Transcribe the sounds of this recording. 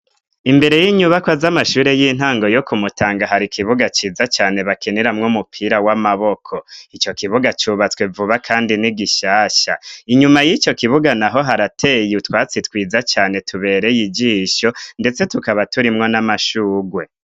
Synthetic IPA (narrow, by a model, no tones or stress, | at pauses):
imbe̞ɾe̞jiɲuβakwazamaʃuːɾe̞jin̥haːŋɡo̞jo̞kumutʰaːŋɡaɦaɾikʰiβuɡat͡ʃiːzat͡ʃaːne̞βakeneɾamŋomupʰiɾawamaβo̞kʰo̞it͡ʃo̞kiβuɡat͡ʃuβat͡swe̞vuβakʰaːndiniɡiʃaːʃaiɲumajit͡ʃo̞kiβuɡanaɦo̞ɦaɾatʰe̞ːjutwaːt͡sitwiːzat͡ʃaːne̞tuβe̞ːɾe̞jid͡ʒiːʃo̞nde̞t͡se̞tukaβatuɾimŋo̞namaʃuːɡwe̞